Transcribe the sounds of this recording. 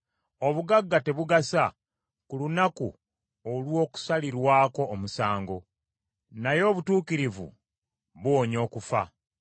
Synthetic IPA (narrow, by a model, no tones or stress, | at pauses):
o̞βuɡaɡːate̞βuɡasa | kulunaku | olwo̞ːku̥saliɾwaːko̞ːmusaːŋɡo̞ | najo̞ːβutuːkiɾivṵ | βwoɲo̞ːkufa̰